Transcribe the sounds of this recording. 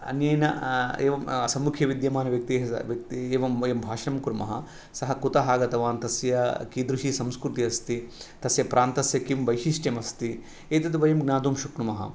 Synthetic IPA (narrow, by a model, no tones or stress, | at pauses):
ɐ̰njeːnɐeːʋɐmɐsɐmːukʰjɐʋid̪jɐmaːnɐʋjɐk̚t̪iɦɐ̰ʋjɐk̚t̪ieːʋɐmɐjɐmbʱaːʃɐnɐmkuɾmɐ̰ɦɐ̰ | sɐɦɐkut̪ɐɦaːɡɐt̪ɐʋaːnt̪ɐsjɐkid̪ɾuʃisɐmskɾut̪iɐst̪it̪ɐsjɐpɾʔaːnt̪ɐsjɐkimʋɐjʃiʃʈemɐst̪i | eːt̪ɐt̪uʋɐjɐmɡnaːd̪uːmʃuknumɐɦɐ̰